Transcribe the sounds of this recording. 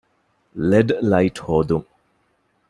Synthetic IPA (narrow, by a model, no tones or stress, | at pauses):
leɖlajʈhoːd̪uŋ